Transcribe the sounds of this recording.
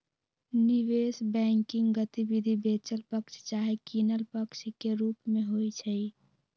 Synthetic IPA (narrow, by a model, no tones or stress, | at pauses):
niʋesbɛ̃ŋkɪŋɡɡət̪ibid̪ʱibet͡ʃəlpəkt͡ʃʰt͡ʃaɦekinəlpəkt͡ʃʰkeɾupmẽɦojt͡ʃʰəj